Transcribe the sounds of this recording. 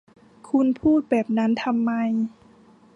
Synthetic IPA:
kʰu˧npʰuː˥˩t̪̚bɛː˨˩p̚na˦˥nt̪ʰa˧mːa˧j

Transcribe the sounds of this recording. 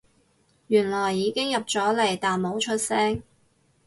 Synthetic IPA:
jyː˨˩nlɔː˨˩jːiː˨˧˥kɪ˥ŋjɐ˨p̚t͡ʃɔː˨˥le˨˩jt̪aː˨nmo˨˥wt͡ʃʰɵ˥t̚sɛː˥ŋ

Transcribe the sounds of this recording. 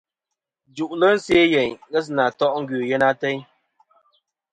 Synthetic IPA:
d͡ʒu˨ʔlə˦n̩˦sje˦jɛ˨ɲɣɛ˦s̬na˨tɔ˦ʔŋ̩˦ɡɥʉ˨jɛ˦na˦tɛ˦ɲ

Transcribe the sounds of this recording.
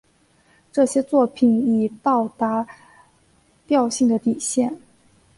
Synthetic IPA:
ʈ͡ʂɤ˥˩ɕjɛ˥t͡swɔ˥˩pʰi˨˩ni˨˩t̪ɑ˥˩ʊt̪a˧˥ | t̪jɑ˥˧ʊɕi˥˩ŋd̪ə˩t̪i˨˩ɕjɛ˥˩n

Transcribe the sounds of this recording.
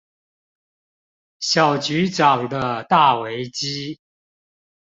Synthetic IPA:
ɕjɑ˨˩ʊt͡ɕy˧˥ʈ͡ʂɑ˨˩ŋd̪ə˦t̪a˥˩we˧˥ɪt͡ɕi˥

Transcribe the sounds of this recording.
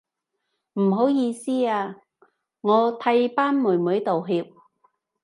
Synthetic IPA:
m̩˨˩ɦo˨˥wjiː˧siː˥aː˧ | ŋɔː˨˧t̪ʰɐ˧˥jpaː˥nmuː˨˩jmuː˨˥jt̪o˨wɦiː˧p̚

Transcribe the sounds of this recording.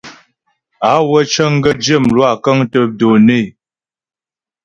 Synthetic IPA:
a˨˦wə˦t͡ʃə˦ŋ̩˦ɡə˦d͡ʒə˦˨mlwa˦˨kə˦ŋtə˦p̚do˨ne˦˨

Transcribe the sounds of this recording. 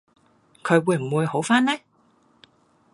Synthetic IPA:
kʰɵ˨˧ɥwuː˨˧jm̩˨˩wuː˨˧jho˨˥wfaː˥nɛː˥

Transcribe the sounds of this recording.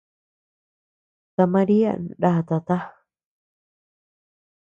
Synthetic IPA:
t̪a˧mã˧ɾi˦a̰˦ɾa˦ha˧t̪a˧t̪a˦

